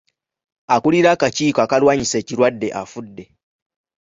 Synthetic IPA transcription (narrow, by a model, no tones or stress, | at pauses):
akuliɾakaciːkoakalwaːɲise̞ːciɾwadːe̞ʔa̰fudːe̞